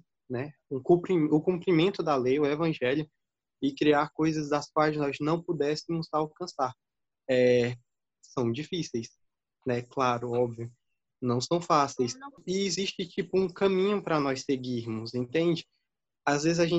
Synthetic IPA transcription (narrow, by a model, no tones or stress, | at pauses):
nɛũkũpɾimʊkũmpɾimẽnt̪ʊd̪ɐlejʊevɐ̃ʒɛljʊ | ɪkɾiaɾkojzɐzd̪ɐsk̚wajznɔznɐ̃w̃pʊd̪ɛsɪmʊzawkɐ̃saɾ | ɛ | sɐ̃w̃d͡ʒifisejs | nɛklaɾʊɔbviʊ | nɐ̃w̃sɐ̃w̃fasejsɪːziʃt͡ʃɪt͡ʃipʊũkɐ̃mĩɲʊpɾɐnɔjseɡiɾmʊzẽnt̪ẽnd͡ʒɪ | azvezɪzaʒẽ